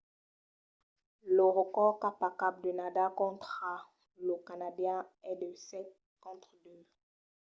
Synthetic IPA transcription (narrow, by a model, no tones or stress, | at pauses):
ləʁəkɔʁkapakap̚d̪ənad̪akɔ̃t̪χa | ləkanad̪jɛ̃ɛd̪əsɛt̪̚ | kɔ̃t̪χd̪ø